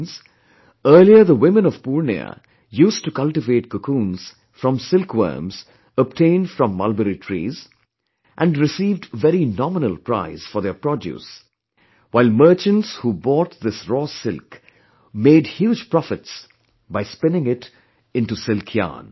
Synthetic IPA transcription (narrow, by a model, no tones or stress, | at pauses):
nz | əːliəðəwɪ̃mə̃nɔv̥puɹnḭə̰ | juːstukʌlʈɪveʈ̚kʰəkʰũːnz̥ | fɾʌ̃msɪlkwə̰ːmz | əb̚tʰẽɪ̃ndfɹʌ̃mːʌ̰lbəɾitʰɹḭːz | ʔæ̃nɖɹɪsiːvdvɛɾinɑmənəlˠpɾa̰ɪz̥fɔɾðepɹɾɔdjṵːs | waɪlmə˞t͡ʃə̃ntshuːbɔːt̚ðɪsɹɔːsɪlk | meɪdhjuːd͡ʒpɹɔfɪts | baɪspɛ̃nɪ̃ŋɪt | ɪ̃nʈusɪlkʰjã̰ːn